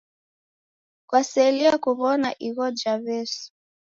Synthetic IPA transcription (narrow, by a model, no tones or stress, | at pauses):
kwasɛliakuβɔnaʔiɣɔd͡ʒaβɛsu̥